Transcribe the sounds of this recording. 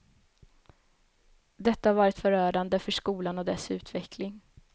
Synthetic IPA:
d̪ɛt̪ːahaɾvɑːɾɪt̪fœɾœːɖand̪əfœʂkuːlanɔd̪ɛsʉ̟ːt̪vɛkʰlɪŋ

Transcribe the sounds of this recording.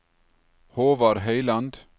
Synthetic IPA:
hoːʋɑɾɦœɪland̪

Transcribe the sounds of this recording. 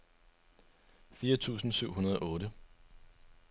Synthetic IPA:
fiːɐt͡sʰṵːsn̩syʊ̰hunɐð̞ˠɒ̽ɔːɾə

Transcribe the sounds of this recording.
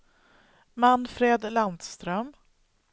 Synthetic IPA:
manːfɾeːd̪land̪st̪ɾœm

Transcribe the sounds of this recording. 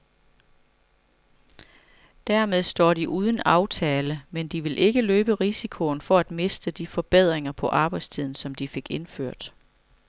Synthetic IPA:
d̥æɐ̰með̞ˠsd̥ɒ̰ːɾiʔuːð̞ˠən̩ɑ̈ʊt͡sʰɛːləmend̥iʋe̝lʔe̝ɡ̥əløːb̥əʁisikʰo̝n̩fɒ̽æd̥me̝sd̥əd̥ifɒ̽b̥eð̞̰ˠʁeŋɐpʰɒ̽ʔɑ̈ːb̥ɑ̈ɪ̥st͡sʰið̞̰ˠn̩sɒ̽md̥ife̝ɡ̥e̝nføɐ̰d̥

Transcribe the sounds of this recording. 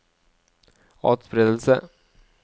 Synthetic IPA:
ɑ̰ːt̪sbɾeːd̪əlsə̰

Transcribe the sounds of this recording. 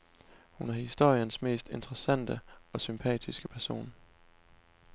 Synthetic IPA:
hunæɐhisd̥o̝ɐ̰jənsme̝̰ːsd̥e̝nd̥ʁɐsæn̰d̥əɒ̽sympʰɛ̰ːd̥ʰisɡ̥əpʰæɐso̝̰ːn

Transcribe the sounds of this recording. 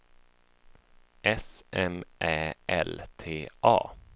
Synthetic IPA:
ʔɛsʔɛmʔæːɛlt̪ʰeːʔɑ̰ː

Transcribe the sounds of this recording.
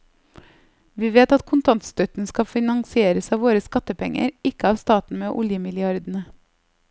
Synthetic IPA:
ʋiːʋeːt̪ɑt̪kʰʊnt̪ʰɑnt̪st̪œt̪n̩skɑfɪnɑŋsɪeːɾəsɑːʋoːɾəskɑt̪əpɛŋə̰ɾɪkəɑːʋst̪ɑːt̪n̩meːʔʊljəmɪlɪɑɾd̪n̩ə

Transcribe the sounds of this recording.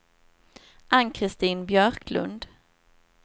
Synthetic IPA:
ʔanːkʰɾɪst̪iːnbjœɾkʰlɵ̰nd̪

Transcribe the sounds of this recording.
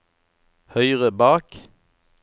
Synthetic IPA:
hœʏʁəbɑːk

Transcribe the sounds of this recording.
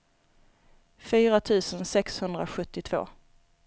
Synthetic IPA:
fyːɾat̪ʰʉ̟ːsənsɛkshɵnd̪ɾa̰ɧɵt̪ːɪt̪ʰv̥o̰ː

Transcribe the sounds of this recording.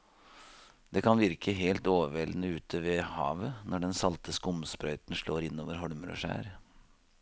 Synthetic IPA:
d̪ɛkʰɑnʋɪɾkʰəɦeːlt̪oːʋəʋɛlnəʉːt̪ʰəʋeːhɑ̰ːʋənɔɖɛnsɑlt̪ʰəskʊmspɾœʏt̪nʂɭoːɾɪnːoːʋəɾɦɔɭmɾɔ̰ʂæ̰ːɾ

